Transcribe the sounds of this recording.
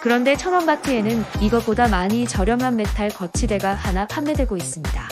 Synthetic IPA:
kɯɾʌnde̞t͡ɕʰʌnwʌmbatʰɯe̞nɯniɡʌp͈odamaɲit͡ɕʌɾjʌŋɦanme̞tʰaɭkʌt͡ɕʰide̞ɡahanapʰamːe̞dwe̞ɡois͈ɯmɲida

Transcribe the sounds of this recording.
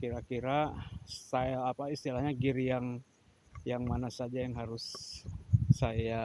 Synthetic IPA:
kiɾakiɾasajaːpaist̪ilahɲaɡiɾijaŋ | jaŋmanasad͡ʒajaŋɦaɾʊsː | aja

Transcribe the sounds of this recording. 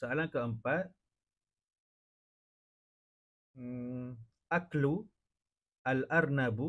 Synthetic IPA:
aalaŋkəəmpat̪̚ | aklu | ʔalarnabu

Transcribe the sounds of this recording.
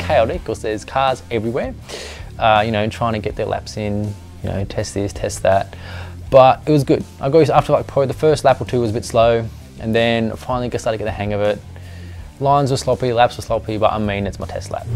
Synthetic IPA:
kʰaɪlˠɾikʰɔsɛz̥kʰɑɹzɛvɹiwɛɹ | ʌjɨñoʊɨ̃ntʰɹ̥aɪɪ̃ŋtʰɨɡɛt̪̚ðə̰˞lʔæ̰psɪ̃n | jɨno̰ʊtʰɛst̪̚ðɪstʰɛst̪̚ðæt̚ | b̥ʌɾɨt̚wʌzɡʊd̥aɪɡoʊsæftə˞laɪk̚pʰoʊðəfɜ˞stˡlæpə˞tʰʉwʌzəbɪtsloʊ | ʔɨ̃nðɨ̃nfãɪ̃nl̩ˠiɡʌstlaɪtɨɡɛt̪̚ðɨhæ̃ŋʌvɪt̚ | lãɪ̃nzwə˞slɑpilæpswə˞slɑpibʌɾʔa̰ɪmĩnɨtsmaɪtʰɛ̰stˡlæ̰p̚

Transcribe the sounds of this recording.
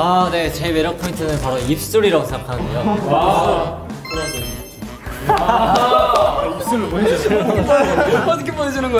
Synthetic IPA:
ane̞t͡ɕebe̞ɾjʌk̚pʰointʰɯnɯnpaɾoip̚s͈uɾiɾaɡosʰeakʰanɯdejo | kɾe | s͈uli | ʌt̪ʰʌkʰeponed͡ʑinɯnɡʌ

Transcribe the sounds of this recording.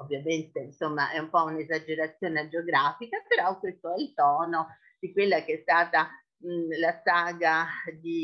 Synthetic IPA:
ovːjament̪einsomːaʔɛumpɔunezad͡ʒeɾat̪sːjoːned͡ʒeoɡɾaːfikapeɾɔkːwest̪oɛilt̪ɔːno | d̪̥ikwelːak̟eɛst̪aːt̪a | lasaːɡad̪i

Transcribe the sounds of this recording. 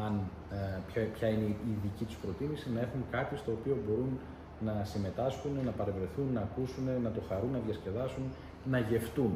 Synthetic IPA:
ɐn | pçɐineiðicit̪u̥spɾo̞t̪imisinɐe̞xunŋkɐt̪ist̪o̞ːpio̞bo̞ɾun | nɐsime̞t̪ɐsxunnɐpɐɾevɾe̞θunːɐːkusunenɐt̪o̞xɐɾunːɐðjɐsce̞ðɐsun | nɐʝe̞ft̪un

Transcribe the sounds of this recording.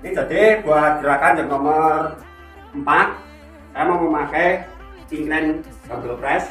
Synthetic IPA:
id̪̥a̤d̪̥eb̥ṳaɡ̥iɾakand͡ʒəŋnɔmɔr | mpat̪̚ː | amɔŋmomakɛ | iŋknɛn | kɔmbəlpɾɛs

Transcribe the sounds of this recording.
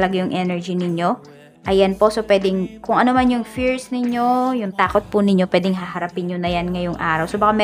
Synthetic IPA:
lɐɡajʊŋʔɛnɛɹd͡ʒinɪɲjo̞ | ʔɐjɐnpo̞ʔsopwɛːd̪ɛŋkʊŋʔɐnomanjʊŋfiɹsnɪɲjo̞jʊŋt̪aːkot̪̚pʊnɪɲjo̞pwɛːd̪ɛŋɦɐhɐɾɐpɪnɲonɐjanŋɐjʊŋʔaːɾɐwsobɐkamɛ

